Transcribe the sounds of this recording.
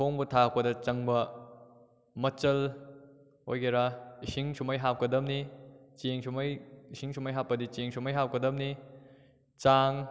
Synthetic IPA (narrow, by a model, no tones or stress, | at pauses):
oŋbɐtʰap̚pɐdɐt͡ʃɐŋbɐ | mɐt͡ʃɐl | hojɡeɾaisiŋsumɐjɦap̚kɐdɐmnit͡ʃeŋsumɐjisiŋsumɐjɦapːɐdit͡ʃeŋsʰumɐjɦap̚kɐdɐm̚ni | t͡ʃaŋ